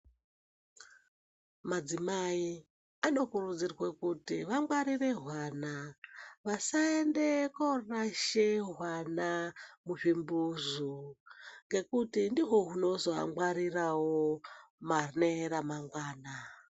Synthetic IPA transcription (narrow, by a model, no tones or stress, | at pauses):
mad͡zimai | ano̞kurud͡zirwekutiʋamɡwaɾire̞ɦwanaʋasaende̞koraʃeɦwanamuʐimbuzu | ŋɡe̞kutindiɦo̞ɦuno̞zo̞a̰mwaɾirawomarneɾamaŋɡwaːna